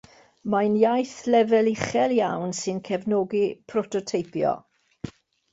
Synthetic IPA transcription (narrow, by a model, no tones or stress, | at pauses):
manjajθlɛvɛlɪχɛlˠjawnsɨnkʰɛvnɔɡipʰrɔtʰɔtʰejpʰjɔ̰